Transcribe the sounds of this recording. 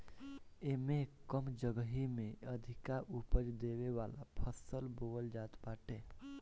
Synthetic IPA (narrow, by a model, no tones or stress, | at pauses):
emekəmd͡ʒəɡəɦimẽəd̪ʱikaʔupəɾd̪eʋeʋala̰pʰəsəlboəld͡ʒaːt̪baːʈe